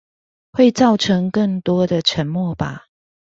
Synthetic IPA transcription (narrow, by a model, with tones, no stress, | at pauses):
xwe˥˨ɪt͡sɑ˥˨ʊʈ͡ʂʰə˧˦ŋkə˥˨ŋt̪wɔ˥d̪ə˨ʈ͡ʂʰə˨˦nmwɔ˥˨ba˨